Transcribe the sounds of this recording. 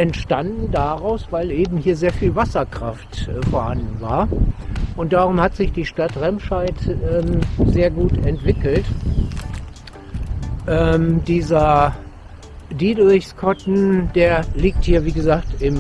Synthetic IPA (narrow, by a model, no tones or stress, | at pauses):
ʔɛntʃtandn̩daʁaʊsv̥aɪlʔeːbm̩hiːɐzeːɐfiːlvasɐkʁ̥aftfoːɐhandn̩va̰ːɐʔʊnt̚d̥aːʁʊmhatz̥ɪçd̥iːʃtatʁɛmʃaɪtɛːmzeːɐɡuːtɛntv̥ɪkl̩t | ʔɛːmdiːzɐ | diːdʁɪçskʰɔtn̩d̥eːɐliːk̚thiːɐviːɡəzaːktɪm